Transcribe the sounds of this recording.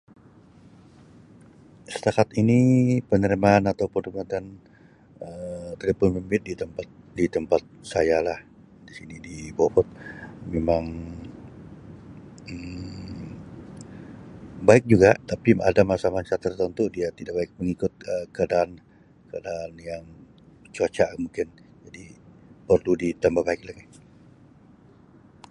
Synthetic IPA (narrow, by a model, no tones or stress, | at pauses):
sə̥t̪akat̪inipənəɾimaːnat̪awpənmat̪an | ət̪idapʊnmimbɪt̪̚dit̪əmpat̪̚dit̪əmpat̪̚sajalah | disinidibopɔt̪̚memaŋ | ə | baɪk̚d͡ʒuɡaʔt̪apia̰damasamaɲt͡ʃat̪ərt̪ənt̪udiat̪idaʔk̚baɪk̚məŋikʊt̪̚əkəadaːn | kadaːnjaŋ | t͡ʃat͡ʃamuŋkɪnd͡ʒadipərludit̪ambahbaɪk̚lakɛ